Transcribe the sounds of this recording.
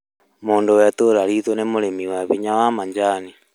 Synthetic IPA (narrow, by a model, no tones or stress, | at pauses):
moːndowɛtoɾaɾitwonemoɾemiwaβiɲawamaɲd͡ʒani